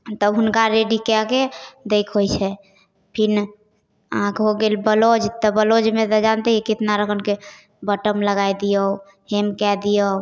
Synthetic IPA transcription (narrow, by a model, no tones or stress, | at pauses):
t̪əbɦunkaɾeɖikeaked̪ekʰɦojt͡ʃʰɛ | pʰin | aãkɦoɡelbəlod͡ʒt̪əbəlod͡ʒmẽt̪əd͡ʒant̪ɛɦikit̪naɾəkʰənke | bəʈəmləɡajd̪ijə | ɦemkɛd̪ijə